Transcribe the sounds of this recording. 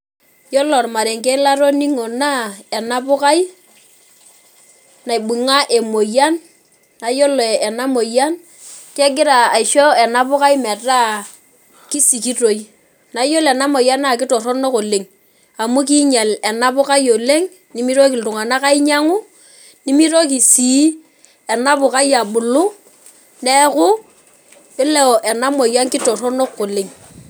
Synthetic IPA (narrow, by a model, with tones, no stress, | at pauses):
jɔ˦lɔ˨rma˨ɾe˨ŋke˦la˦ɾo˦ni˦ŋo˨na˦e˨na˦pʊ˦ka˦i˦ | na˨i˨ɓu˨ŋa˦ʔe˨mo˨ja˦nː | a˨jo˦lɔ˨ɛ˨na˦mo˨ja˦n | kɛ˦ɡɪ˦ɾaː˨i˨ʃo˦ɛ˨na˦pʊ˦ka˦jmɛ˨ta˦ | ki˦si˨ki˦to˨j | na˨˦jo˦lɛ˨na˦mo˨ja˦na˨kɪ˦tɔ˨ɾɔ˦no˦ko˨le˨ŋ | a˨mu˦k̬i˦ɲɛ˨lɛ˨na˦pʊ˦ka˦jo˨le˦ŋ | ni˦mi˦ɾo˦ki˨ltu˨ŋa˨na˦ka˦i˦ɲa˦ŋu˦ | ni˦mi˦ɾo˦k̬i˨si˨˦ | ɛ˨na˦pʊ˨ka˦ja˨ɓʊ˨lʊ˦ | nɛ˦kʊ˦ | ɪ˦lɛ˦ɔ˨ʔɛ˨na˦mo˨ja˦nkɪ˦tɔ˨rɔ˦no˦kːo˨le˨ŋ